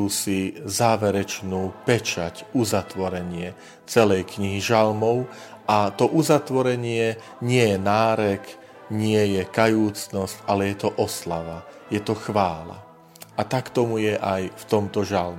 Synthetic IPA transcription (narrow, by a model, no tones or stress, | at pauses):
usizaːʋɛɾɛt͡ʃnuːpɛt͡ʃacuzat̪ʋɔɾɛɲɪɛ | t͡sɛlɛjkɲiɦiʒalmɔʊ | ʔat̪ɔʔuzat̪ʋɔɾɛɲɪɛ | ɲɪɛjɛnaːɾɛk | ɲɪɛjɛkajuːt͡snɔscalɛjɛt̪ɔʔɔslaʋa | jɛt̪ɔxʋaːla̰ | at̪akt̪ɔmujɛʔajft̪ɔmt̪ɔʒalm